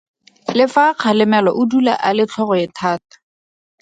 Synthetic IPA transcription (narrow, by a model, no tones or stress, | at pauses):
lɪfaq͡χʰalɪmɛlɔʔʊdula̰ʔalɪt͡ɬʰɔχɔɪtʰaːtḁ